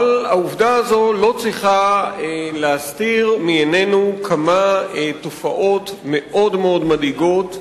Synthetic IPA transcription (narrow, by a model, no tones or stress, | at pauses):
alauvdaazo̞lo̞t͡sʁiχa | leastiʁmijene̞nukʰamatofaʔo̞tme̞ʔo̞dmeo̞dmadiɡo̞t